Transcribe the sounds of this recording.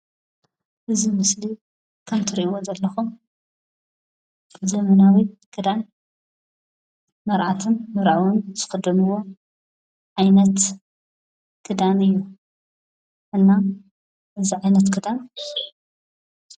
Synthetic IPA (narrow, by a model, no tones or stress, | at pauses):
ʔɨzimɨsli | kʰɐmt̪ʰɨɾʔiwozɐlːɐxum | zɐmɐnawiɡ̥ɨd̪an | mɐɾʕat̪ʰɨnmɐɾʕwunz̥ɨxɨd̪ɨnɨwo̞ | ʕajnɐt̪ | ɡ̥ɨd̪anɨjːu | ʔɨnːa | ʔɨziʕajnɐt̪ɡɨd̪an